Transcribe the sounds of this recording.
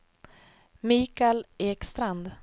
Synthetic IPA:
miːkaleːkst̪ɾand̪

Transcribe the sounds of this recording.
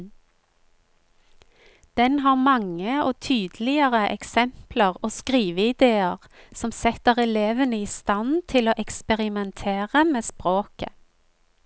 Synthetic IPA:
d̪̥ɛnɦɑːʁmɑŋəoːt̪ʰyːd̪l̩ɪəʁəʔɛ̰ksɛmpləʁoːskʁiːʋəɪd̪eːəʁ | sɔmsɛt̪əʁɛleːʋənəiːst̪ɑnt̪ʰɪloːʔɛkspɛʁɪmɛnt̪ʰeːʁəmeːspʁoːkə̰

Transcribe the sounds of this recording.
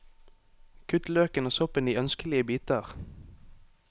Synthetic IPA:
kʰʉt̪løːkənoːsɔpəniːœnskəlɪəbiːt̪əʁ

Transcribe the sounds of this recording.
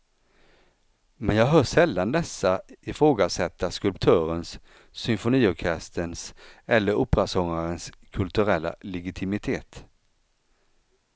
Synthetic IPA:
mɛnjɑːɡɦœːʂɛlːand̪ɛsːaɪfɾoːɡasɛt̪ʰːaskɵlp̚t̪ʰœːɾənsː | ʏmfʊniːɔkʰɛst̪ʰənsɛlːəɾʊpːɾasɔŋːaɾənskʰɵlt̪ɵɾɛlːa̰lɛɡɪt̪ʰɪmɪt̪ʰeːt̪

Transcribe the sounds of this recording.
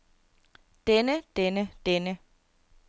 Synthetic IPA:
d̥enəd̥enəd̥enə

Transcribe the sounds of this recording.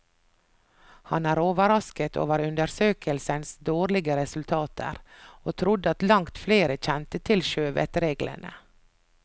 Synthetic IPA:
hɑnæːɾoːʋəɾɑskət̪ʰo̰ːʋəɾʉnd̪əɾsøːkəlsənsd̪oːɾlɪɡəɾɛsʉlt̪ʰɑːt̪ʰə̰ɾoːt̪ʰɾʊd̪ɑt̪lɑŋt̪fleːɾəc͡çɛnt̪ət̪ʰɪlʃøːʋɛ̰t̪ɾeːɡlə̰nʔə̰

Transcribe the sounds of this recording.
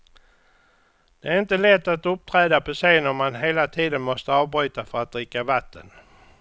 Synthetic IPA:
d̪̥ɛæɾɪnt̪əlɛt̪ːat̪ɵp̚t̪ʰɾɛːd̪apʰɔseːnɔmmanɦeːlat̪ʰiːd̪ənmɔst̪əɑːvbɾy̟ːt̪afœɾat̪̚d̪ɾɪkːavat̪ːən

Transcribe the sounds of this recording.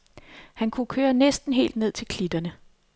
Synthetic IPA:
hænkʰukʰøːɐnesd̥n̩ɦe̝̰ːld̥ne̝ð̞̰ˠt͡sʰe̝lkʰlid̥ɐnə

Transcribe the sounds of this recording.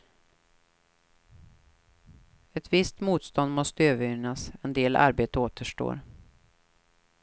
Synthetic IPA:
ɛt̪vɪst̪muːt̪st̪ɔnd̪mɔst̪əøːvəɾʏnasɛnd̪eːlʔa̰ɾbeːt̪əoːt̪əʂʈo̰ːɾ

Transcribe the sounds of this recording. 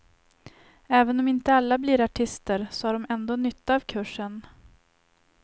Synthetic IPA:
ɛːvənɔmɪnt̪əalːablɪɾaʈʰɪst̪əɾsɔhaɖɔmɛnd̪oːnʏt̪ʰːaaːvkʰɵʂːən

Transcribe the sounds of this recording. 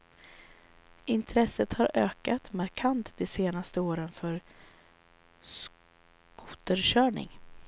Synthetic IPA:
ɪnt̪ʰɾɛsːət̪haɾøːkat̪maɾkʰant̪d̪ɛseːnast̪əoːɾənfœɾ | s | kʰʊt̪əɾɕœːɳɪ̰ŋ

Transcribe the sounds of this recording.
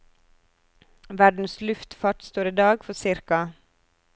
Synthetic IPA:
ʋæɖn̩slʉft̪fɑʈst̪oːɾiːd̪ɑːɡfɔsɪɾkɑ

